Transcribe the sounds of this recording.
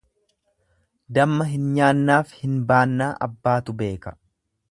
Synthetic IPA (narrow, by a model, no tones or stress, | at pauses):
d̪ɐmːɐɦɪnɲaːnːaːfhɪnbaːnːaːʔɐ̰bːaːt̪ʊbe̞ːkɐ̥